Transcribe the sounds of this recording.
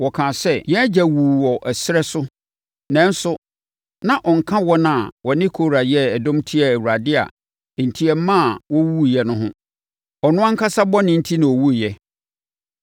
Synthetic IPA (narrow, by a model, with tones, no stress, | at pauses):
wɔ˨kʰãː˨sɛ˦jɛ̃˦d͡ʑæ˨wu˨wɔ˨ʔɛ˨sɪ˦ɾɛ˦sʊ˦ | nɛ̃˦n̩˦sʊ˦ | nã˨ʔɔ˨ŋ̩˨kʰã˦wɔ˦nã˦˨wɔ˨nɪ̃˦kʰo˦ɾa˨jɛ˦ɛ˨dɔ̃˦mtʰi˦a˨æ˨wu˨ɾa˨dɪ˦a̰˨ | n̩˨tʰi˨ɛ˨m˦mã˦a˨wɔ˦wu˦˨jɛ˦nʊ̃˦ɦʊ̃˦ | ɔ˨nʊ̃˦a˦ŋ̩˦kʰa˦sa˦bɔ˦nɪ̃˦n̩˦tʰi˦nã˨ɔ˨wu˦˨jɛ˦